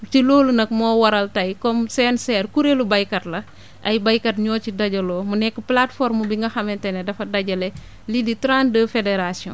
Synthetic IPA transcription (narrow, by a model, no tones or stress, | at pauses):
t͡ʃiloːlunɐk̚mɔːwɐɾɐltɐjkɔmsɛːnsɛːrkuɾelubɐjkɐtlɐ | ʔɐjbɐjkɐtɲɔːcidɐɟɐlɔːmunɛkːəplatfɔɾmubiŋɡɐxɐmɛntɛnɛdɐfɐdɐɟɐlɛ | liditɾãndəfedeɾasiɔ̰̃n